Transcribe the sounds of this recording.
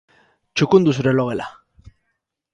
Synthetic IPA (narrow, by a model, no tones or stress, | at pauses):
t͡ʃukund̪us̬uɾe̞lo̞ɣe̞la̰